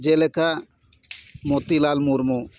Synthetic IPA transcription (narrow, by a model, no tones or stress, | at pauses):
d͡ʒeleka | mot̪ilalmuɾmo